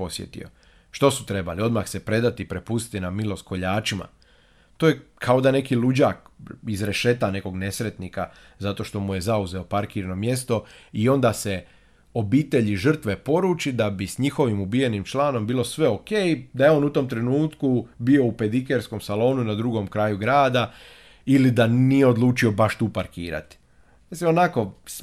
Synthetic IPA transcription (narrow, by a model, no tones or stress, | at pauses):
po̞sjḛt̪ḭo̰ | ʃt̪o̞su̥t̪ɾe̞ba̰lio̞d̪maxse̞pɾe̞d̪at̪ipɾe̞pust̪i̥t̪inamilo̞sko̞ʎaːt͡ʃima̰ | t̪ojekʰao̞d̪ane̞kilud͡ʑaːkizɾe̞ʃe̞t̪ane̞ko̞ɡne̞sɾe̞t̪nika | zat̪o̞ʃt̪o̞muje̞zauze̞o̞paɾkiːɾno̞mje̞st̪o̞io̞nd̪aːse | o̞biːt̪e̞ʎiʒr̩t̪ʋe̞po̞ɾuːt͡ʃid̪abisɲixo̞ʋimubije̞nimt͡ʃlˠaːno̞mbiːlo̞sʋe̞o̞keːjd̪ajeo̞ːnut̪o̞mt̪ɾenuːt̪kubio̞upe̞d̪ikeɾsko̞msalo̞ːnunad̪ɾuɡo̞mkɾaːjuɡɾaːd̪a | ilid̪anijeo̞d̪lˠuːt͡ʃio̞baʃt̪uːpaɾkḭːɾa̰t̪i̥ | mislimonako̞s